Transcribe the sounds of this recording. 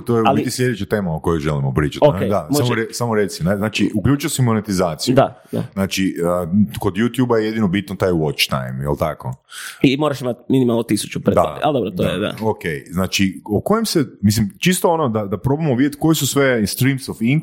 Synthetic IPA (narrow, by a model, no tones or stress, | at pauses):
t̪ojeablit̪islʎʲjed̪et͡ʃat̪e̞ːmooko̞joʒelimopɾiːt͡ʃat̪ed̪aoamoɾesamoɾet̪sineznaːt͡ʃiukʎʲuːt͡ʃujosimonet̪izaːt̪sijud̪ad̪a̰znaːt͡ʃiəkod̪jut̪jubajejed̪inobit̪not̪ajwot͡ʃt̪a̰jmḭlˠt̪ako̰imoɾaʃimat̪minimalˠnot̪isu̥t͡ʃupɾed̪a̰a̰ld̪obɾod̪oa̰ed̪a̰okejznaːt͡ʃiokojemsemis̬limt͡ʃist̪oonod̪ad̪apɾo̞bamoʋid̪jet̪ko̞jisusʋe̞st̪ɾimsofiŋ